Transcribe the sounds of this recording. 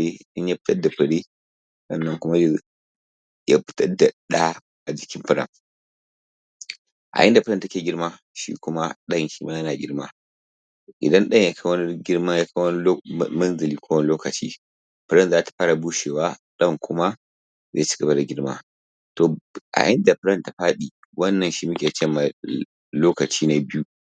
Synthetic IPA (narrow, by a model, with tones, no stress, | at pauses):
ɽi˦ɗɐ˦ɲja˦pɪ̥˦tɐ˦dːa˨ɸɐ˨ɽi˦ | sɐ̰˦˨nːɐ˦ŋkʊ˦ma˦ | ja˦pɪ̥˦tɐ˦da˨ɗa˦ | ʔa˨d͡ʒɪ˨kʲɪ˦mɸɐ˦ɽɐ̰˨ŋ | ʔa̰˨ʔɪ˦nda˨pɐ˦ɾɐ˦˨ntɐ˦kʲeː˨ɡʲɪ˦ɾma˦ | ʃḭː˦kʊ˦ma˦ɗɐ˦˨ŋʃi˦maː˦jɐ˦naː˨ɡʲɪ˦ɾma̰˦ | ʔɪ̰˨dɐ˦nɗɐ˦ɲja˦kʰa˦wɐ˦ni˦ɡʲɪ˦ɾma˦ja˦ka˦wɐ˦n˦mɐ˦nzɐ˨liː˦kʰʷoː˦wɐ˦nɪ˦loː˦kɐ˨t͡ʃḭː˦ | ɸɪ˦ɾɐ˦˨nzaː˦tḁ˨ɸaː˦ɽa˨buː˦ʃeː˨waː˦ɗɐ˦˨ŋkʷʰʊ˦ma˦ | zeː˦˨t͡ʃɪ̥˦ɡɐ˨ba˦da˨ɡʲɪ˦ɾma̰ː˦ | toː˨ʔa̰˨ʔɪ˦nda˨ɸɪ˦ɾɐ˦˨nta˨ɸaː˦ɗiː˨ | wɐ˦nːɐ˨nʃi˦mʊ˦kʲeː˨t͡ʃɛ˦ma˨ | loː˦kɐ˨t͡ʃiː˦na˦bɪ˦ju˦